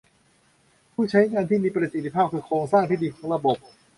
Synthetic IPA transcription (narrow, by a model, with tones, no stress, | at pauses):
pʰuː˥˩t͡ɕʰa˦˥jŋaː˧nt̪ʰiː˥˩miː˧pɾa˨˩si˨˩t̪ʰi˦pʰaː˥˩p̚kʰɯː˧kʰɾoː˧ŋsaː˥˩ŋt̪ʰiː˥˩d̪iː˧˩kʰɔ̥ː˩˦˥ŋɾa˧bo˨˩p̚